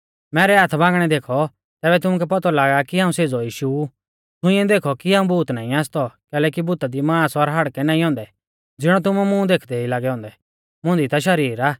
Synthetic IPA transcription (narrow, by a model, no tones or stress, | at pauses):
mɛːɾɛɦaːt̪ʰbãːŋɡɽ̃ɛd̪eːkʰɔ | t̪ɛːbɛt̪ʊmʊkɛpɐt̪ɔlaːɡakiɦãːũseːd͡zɔjiːʃu | t̪ʰʊ̃ɪ̃ɛ̃d̪eːkʰɔkiɦãːũbuːt̪naːĩaːst̪ɔkɛːlɛːkibʊt̪ad̪imãːsɔɾɦɐɽkɛnaːĩɦɔ̃ːnd̪ɛ | d͡zɪɽ̃ɔt̪ʊmumũd̪eːkʰd̪ɛilaːɡɛɦɔ̃ːnd̪ɛ | mʊ̃nd̪it̪aʃ̬ɐɾiːɾaː